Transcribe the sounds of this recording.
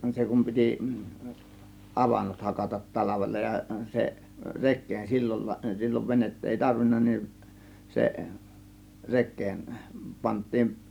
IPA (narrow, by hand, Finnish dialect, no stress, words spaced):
se kum pitiˑ ʔɑʋɑnːot hɑkɑtɑt tɑlɑʋelːɑ jɑ se rekˑeːn silːon silʲːoʋ ʋenetː eˑi tɑrʋinːɑ nin se rekˑeːn pɑntˑiːn